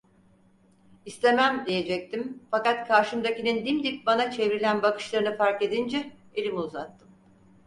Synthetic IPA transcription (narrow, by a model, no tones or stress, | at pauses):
ist̪ʰe̞mæmd̪ije̞d͡ʒɛc̚t̪ʰimfakat̪kʰaɾʃɯmd̪acinind̪imd̪ip̚banat͡ʃʰe̞vɾilʲænbakɯ̥ʃlˠaɾɯnɯfaɾke̞d̪ind͡ʒɛ | elʲimiːzat̪ːɯm